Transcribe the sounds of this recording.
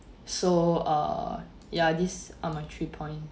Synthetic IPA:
soʌ̰ | jadisamãɪtʰɹipʰɔ̃ɪ̃n

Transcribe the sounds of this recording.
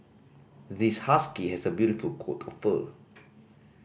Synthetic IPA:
ðishaskihɛsəbjuɾifəlkʰɔ̰tʰɔffə̰

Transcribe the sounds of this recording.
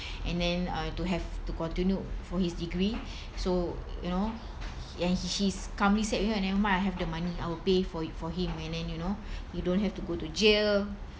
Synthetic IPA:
ɛ̃ndɛ̃natuɦɛvtukɔ̃ntĩnjufɔhisdiɡɹi | sojṵno | ɛ̃nhiʃiskãmlisɛt̚wihənɛwəmãaɦɛfdəmaniajwilpefɔfɔɦĩmɛ̃ndɛ̃njunojudõntɦɛftuɡotud͡ʒel

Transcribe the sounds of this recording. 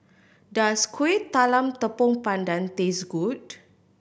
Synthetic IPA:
daskwit̪ːalamt̪əpɔŋpandant̪esɡut̚

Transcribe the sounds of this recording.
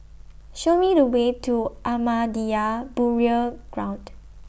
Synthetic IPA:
ʃomidəwetʰuʔamadiabuɹiəɡ̥ɹãʊ̃nd

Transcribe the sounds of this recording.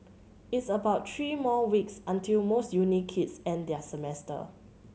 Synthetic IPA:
itsəbaʊt̚tʰɹimɔwiksãntʰilmosjunikʰːitsɛ̃ndɛsəmɛstə̰

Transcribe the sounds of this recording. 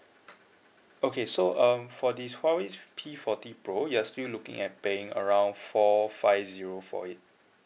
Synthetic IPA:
okʰesoʔʌ̃mfɔdiswawispʰifɔtipɹojuastillukɪ̰̃ŋɛt̚peɪ̃ŋə̰ɹãw̃nfɔfaɪfziɹofɔ̰it̚

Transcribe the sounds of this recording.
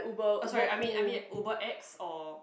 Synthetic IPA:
ubəsɔɹiʔajmĩnamĩɛtobəʔɛksɔ

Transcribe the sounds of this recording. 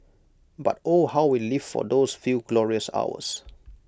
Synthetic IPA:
ba̰tohawwiliv̥fɔ̰d̪osfjuɡlɔɹiəsa̰ʊə̰s

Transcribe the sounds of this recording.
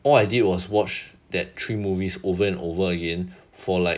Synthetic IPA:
ʔɔlaɪdid̚wɔswɔt͡ʃd̥ɛtʰɹiːmuvisovəɛ̃novəəɡɛ̃n | fɔlaɪk

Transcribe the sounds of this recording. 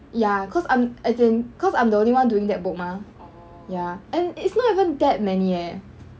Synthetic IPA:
jakʰɔsãɪ̃mɛdẽnkʰɔsãɪ̃mdəõnliwãnduɪ̃ŋdɛt̚bʊk̚ma | jaɛ̃nɪtsnɔtivə̃ndɛt̚mɛniɛ

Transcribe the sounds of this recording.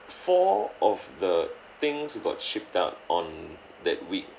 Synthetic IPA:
fɔɔfdə | t̪ɪ̃ŋsɡɔ̰t̚ʃip̚taʊt̚ʔɔ̃n | d̪ɛ̰t̚wik̚

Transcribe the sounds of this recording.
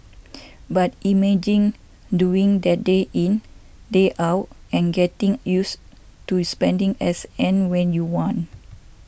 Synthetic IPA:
batimɛd͡ʒĩŋ | duĩŋdɛt̚deʔĩn | deʔawt̚ɛ̃nɡɛtĩŋjus | tuspɛ̃ndĩŋɛsɛ̃nwɛ̃njuwɔ̃n

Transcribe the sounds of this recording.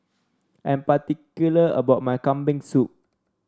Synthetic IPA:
ʔɛ̃npat̪ikjuləə̰baʊt̚majkãmbĩŋsup̚

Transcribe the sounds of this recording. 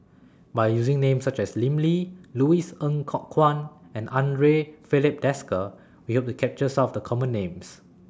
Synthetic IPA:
bajjuzĩŋnẽmsat͡ʃɛslĩmliluisə̃ŋkʰɔkʰːwãnɛ̃nʔãndɹefilip̚dɛskə | wihop̚tukʰɛp̚t͡ʃəsãmɔfdəkʰɔmə̃nːẽms

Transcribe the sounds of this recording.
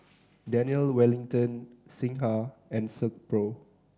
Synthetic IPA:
dɛniəlwɛlĩŋtə̃nsĩŋɦaɛ̃nsək̚pɹo

